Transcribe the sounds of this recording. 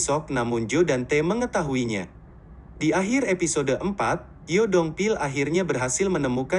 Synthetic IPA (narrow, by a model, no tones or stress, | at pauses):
sɔk̚namuɲd͡ʒodant̪eməŋət̪aɦuiɲa̰ | diaɦirepisodəʔəmpat̪̚ | jodɔŋpilaɦirɲabərɦasɪlmənəmuka